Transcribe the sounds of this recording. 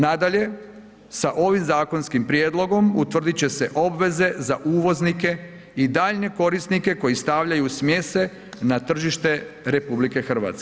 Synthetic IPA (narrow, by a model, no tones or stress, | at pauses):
nad̪aʎe̞ | saʔo̞ʋimzaːko̞nskimpɾjeːd̪lˠo̞ɡo̞mut̪ʋr̩d̪it͡ɕe̞se̞ʔo̞bʋe̞ze̞zaʔuːʋo̞znike̞ | id̪aːʎne̞ko̞ɾisnike̞ko̞jist̪aʋʎajusmje̞se̞ | nat̪r̩ʒiʃt̪e̞ɾe̞publike̞xr̩ʋa̰ːt̪ske